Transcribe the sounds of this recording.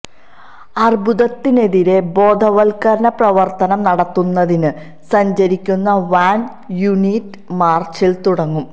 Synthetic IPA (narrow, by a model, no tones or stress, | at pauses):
ɐrbuðɐt̪ːine̞ðiɾe̞bo̞ːd̪ʱɐʋɐlkɐɾɐnɐprɐʋɐrt̪ɐnɐmnɐɽɐt̪ːunːɐðinɨ | sɐɲd͡ʑɐɾikʲːunːɐʋaːn | juniːtː | maːrt͡ɕilt̪uɽɐŋːum